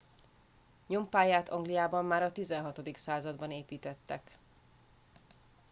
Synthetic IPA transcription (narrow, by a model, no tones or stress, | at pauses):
ɲompaːjaːt̪ɒŋɡlijaːbɒmːaːɾɒt̪izɛnɦɒt̪o̞d̪iksaːzɒd̪bɒneːpiːt̪ɛt̪ːɛk